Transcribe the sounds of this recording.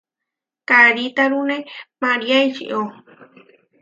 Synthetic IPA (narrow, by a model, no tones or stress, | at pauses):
kaɾit̪aɾunẽmaɾiait͡ʃḭʔo